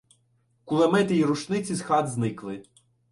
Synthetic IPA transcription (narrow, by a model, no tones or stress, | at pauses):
kulˠemɛt̪ɪjiɾuʃnɪt͡sʲizxɑd̪znɪklˠɪ